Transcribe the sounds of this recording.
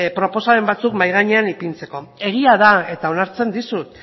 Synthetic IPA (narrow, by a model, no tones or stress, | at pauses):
pɾo̞po̞saɾe̞mbat͡sukmajɣ̞aɲe̞anipint͡se̞ko̞e̞ɣ̞iaðae̞t̪ao̞naɾt͡se̞nd̪isut̪